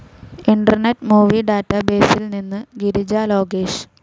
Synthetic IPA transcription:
iɳɖɐrnetːmuːʋiɖaːtːɐbe̞ːsilninːɨɡiɾid͡ʑaːlo̞ːɡeːɕ

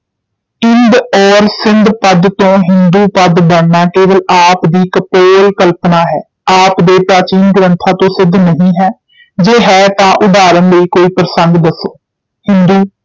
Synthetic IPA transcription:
ɪnd̪ɔːɾsɪnd̪pəd̪t̪õːɦɪnd̪uːpəd̪bəɽnaːkeːʋəlaːpd̪iːkəpoːlkəlpnaːɦɛː | aːpd̪eːpɾaːt͡ʃiːnɡʊɾə̃nt̪ʰaːt̪õːsɪd̪nəɦĩːɦɛː | d͡ʒeːɦɛːt̪ãːʔʊd̪aːɾənleiːkoːiːpɾəsənɡ̪d̪əsoː | hɪnd̪uː

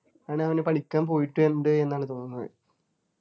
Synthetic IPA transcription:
kaːɳeɐʋinepɐɭikʲːaːmpo̞ːjiʈːɨenɖɨe̞nːaːɳɨt̪o̞ːnːunːɐðɨ̰

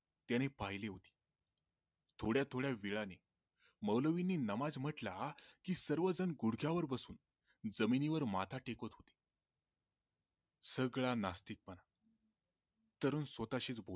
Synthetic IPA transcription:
t̪janepaɦjleɦot̪i̥ː | t̪ʰoɽjat̪ʰoɽjaʋiɭane | məʋləʋinːiːnəmad͡zm̤əʈlakiːsəɾʋəd͡zənɡuɽɡʱjaʋəɾbəsuːn | d͡zəminiʋəɾmat̪ʰaʈekət̪ɦot̪e̥ | səɡɭanast̪iːk̚pəna | t̪əɾuːnsʋət̪aɕiːt͡sbʱol

